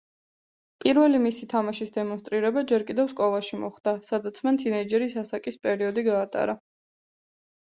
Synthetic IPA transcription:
pʼiɾvɛlimisit̪ʰamaʃisd̪ɛmɔnst̪ʼɾiɾɛbad͡ʒɛɾkʼid̪ɛvskʼɔlˠaʃimɔχd̪̥asad̪at̪sʰmant̪ʰinɛid͡ʒɛɾisasakʼispʼɛɾiɔd̪iɡaːt̪ʼa̰ɾa

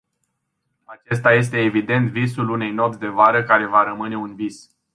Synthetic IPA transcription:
at͡ʃe̞s̬t̪aje̞s̬t̪e̞ːvid̪e̞nt̪visulune̞jno̞psʲd̪e̞vaɾəkaɾe̞vaɾəmɨne̞unvis

